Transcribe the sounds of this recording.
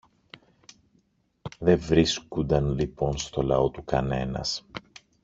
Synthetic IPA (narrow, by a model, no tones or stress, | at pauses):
ðe̞ɱvɾiskund̪ɐnlipo̞nst̪o̞lɐo̞t̪ukɐne̞nɐ̰s